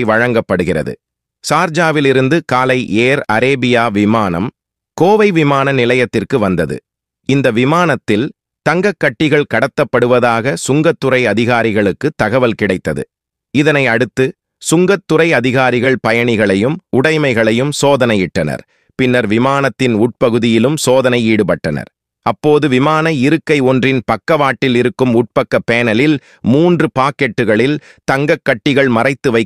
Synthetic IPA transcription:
ɪʋɐɻɐŋɡɐpːɐɽɯɣɪrɐ̰ðɯ̰ | saːɾd͡ʒaːʋɪlɪɾɯnd̪ɯkaːlɐɪʔeːɾɐɾeːbɪjaːʋɪmaːnɐ̰m | koːʋɐɪʋɪmaːnɐnɪlɐjɐt̪ːɪrkɯʋɐnd̪ɐðɯ̰ | ɪnd̪ɐʋɪmaːnɐt̪ːɪl | t̪ɐŋɡɐkːɐʈːɪɣɐɭkɐɽɐt̪ːɐpːɐɽɯʋɐðaːɣɐsʊŋɡɐt̪ːʊɾɐɪɐðɪɣaːɾɪɣɐɭɯkːɯt̪ːɐɣɐʋɐlkɪɽɐɪt̪ːɐðɯ̰ | ɪðɐnɐɪɐɽɯt̪ːɯ | sʊŋɡɐt̪ːʊɾɐɪɐðɪɣaːɾɪɣɐɭpɐjɐɳɪɣɐɭɐjɯmʊɽɐɪmɐɪɣɐɭɐjɯmsoːðɐnɐjɪʈːɐnɐ̰ɾ | pɪnːɐɾʋɪmaːnɐt̪ːɪnʊʈ̚pɐɣɯðɪjɪlɯmsoːðɐnɐɪiːɽɯpɐʈːɐnɐ̰ɾ | ɐpːoːðɯʋɪmaːnɐɪɾɯkːɐɪɔndrɪnpɐkːɐʋaːʈːɪlɪɾɯkːɯmʊʈ̚pɐkːɐpːeːnɐlɪl | muːndrɯpaːkɛʈːɯɣɐɭɪl | t̪ɐŋɡɐkːɐʈːɪɣɐɭmɐrɐɪt̪ːɯʋɐɪ

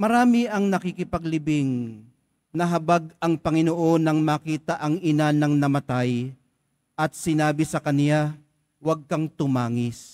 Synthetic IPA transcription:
mɐɾaːmɪʔɐŋnɐkɪkɪpɐɡlɪbɪŋ | nɐɦɐbaɡ̚ɐŋpɐŋɪnoʔo̞nɐŋmaːkiːt̪ɐʔɐŋɪnanɐŋnɐmɐt̪aj | ʔɐt̪̚sɪnaːbɪsɐkɐnɪja | wɐɡ̚kɐŋt̪ʊmaːŋɪs

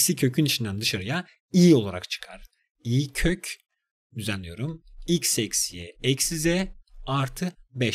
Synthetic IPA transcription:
sicʰøcʰynit͡ʃʰind̪ænd̪ɯʃaɾɯja | ijio̞lˠaɾa̰kt͡ʃʰɯ̥kʰaɾ̥ | ijicʰøc | d̪yzænlʲːijo̞ɾumilʲcsɛcsijɛ̰ɛcsizɛaɾt̪ʰɯbɛ

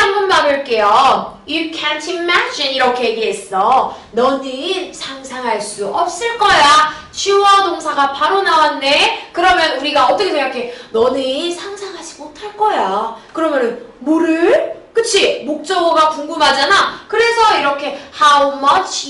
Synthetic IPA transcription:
anbʌnmaɾɯɭk͈e̞jojukʰantʰimad͡ʑiniɾʌkʰe̞jeɡiɦe̞s͈ʌ | nʌnisʰaŋsʰaŋɦaɭs͈uʔʌp̚s͈ɯɭk͈ʌja | t͡ɕiwʌnoŋsʰaɡapaɾonawanːe̞kɯɾʌmjʌnuɾiɡaʌt͈ʌkʰeeʌkʰe̞nʌnisʰaŋsʰaŋɦad͡ʑimotʰaɭk͈ʌjakɯɾʌmjʌnɯnmoɾɯɭkɯt͡ɕʰimok̚t͡ɕ͈ʌɡʌɡakuŋɡumɦad͡ʑanakɯɾe̞sʰʌiɾʌkʰe̞haumʌt͡ɕʰ

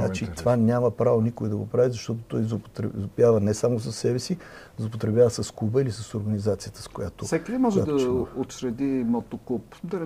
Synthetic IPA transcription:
nat͡ʃit̪ovanʲaməpɾavonikʊɛd̪ɐɡopɾavizɐʃt̪ɔt̪o̥t̪ɔjzot̪ɾɛzopjavənɛsamosɐsːɛbɛsi | zlˠop̬ot̪ɾɛbjʲavəsɐskubəilisɐsoɾɡɐnizat̪sijət̪ə̥skojat̪osɛkid̪ɛmɔʒɛd̪ɐot̪sɾɛd̪imot̪okupd̪ɐn

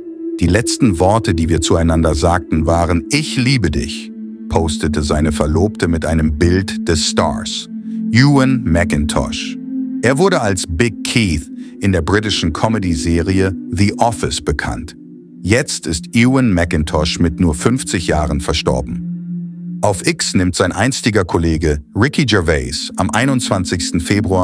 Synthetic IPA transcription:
d̥iːlɛt͡stn̩vɔɐtədiːviːɐt͡suaɪnandɐzaːk̚tn̩vaːʁənʔɪçliːbədɪ̰ç | pʰoʊstətəzaɪnəfɛɐloːp̚tʰəmɪtʔaɪnəmbɪltd̥ɛssta̰ɐsjuːənmɛkɪntʰɔ̰ʃʔeːɐvʊɐɾəalsb̥ɪɡ̚kʰiːθʔɪndeːɐbʁɪt̬ɪʃn̩kʰɔmədizeːʁiəðiʔɔfɪsb̥əkʰa̰nt | jɛt͡stɪstjuːənmɛkɪntʰɔʃmɪtnuːɐfʏnft͡sɪçjaːʁənfɛɐʃtɔ̰ɐbm̩ | ʔaʊfʔɪksnɪmtz̥aɪnʔaɪnstɪɡɐkʰoleːɡəʁɪkʰid͡ʒɛveɪsʔamʔaɪnʊnt͡sv̥ant͡sɪçstn̩feːbʁuaː

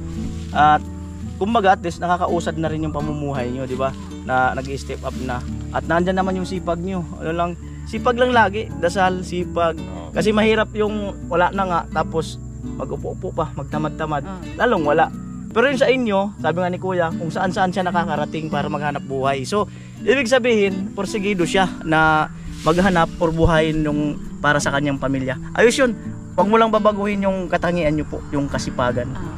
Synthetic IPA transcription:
ʔat̪̚ | kʊmbɐɡaʔat̪ɪsnɐkakɐʔuːsad̪̚nɐɾɪnjʊŋpɐmumuːɦajɲod̪ɪba | nɐnɐɡɪst̪ɛp̚ʔap̚naʔɐt̪̚nɐʔnd͡ʒanːɐmanjʊŋsiːpaɡ̚ɲo̞ʔɐ̰nolaŋ | siːpaɡlaŋlaːɡɪʔd̪ɐsalsiːpaɡ̚ | kɐs̬ɛmɐhiːɾap̚jʊŋwɐlaʔnaŋaʔt̪aːpo̞s | mɐɡʊpoʔpoʔpamɐɡ̚t̪ɐmad̪̚t̪ɐmad̪̚ | lʔaːloŋwɐlaʔ | pɛɾojʊŋsɐʔɪɲjo̞saːbɪŋanɪkuːjakʊŋsɐʔansɐʔanʃanɐkakɐɾat̪ɪŋpaːɾɐmɐɡ̚hanap̚buːhajso̞ | ʔiːbɪɡ̚sɐbiːhɪnpoɾsɪɡiːd̪oʃanɐ | mɐɡɦanap̚ʔoɾbʊɦaːjɪnjʊŋpaːɾasɐkɐɲjaŋpɐmiljaʔɐ̰jʊsjon | wɐɡ̚mʊlaŋbabaɡuːhɪnjʊŋkɐt̪ɐŋiːʔanɲopo̰ʔjʊŋkɐsɪpaːɡan

